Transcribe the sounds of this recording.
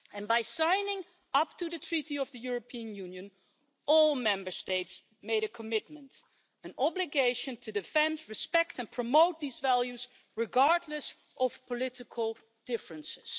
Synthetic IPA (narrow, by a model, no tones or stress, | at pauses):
ɨ̃nbaɪsãɪ̃nɪ̃ŋ | ʌp̚tuðɨtʰɹ̥iɾiʌvðɨjʊɹəpʰiə̃njʉ̃njɨ̃n | ʔɔlˠmɛ̃mbə˞steɪts | meɪɾɨkʰəmɪt̚mə̃nt | ɨ̃nʔɑblɨɡeɪʃɨ̃ntʰɨdɨfɛ̃ndɹɨspɛktɨ̃npʰɹ̥əmoʊt̪̚ðizvælˠjʉz | ɹɨɡɑɹdˡləs | ʔʌv̥pʰəlɪɾɨkʰəl̩ˠ | d̥ɪfɹə̃nsɪz̥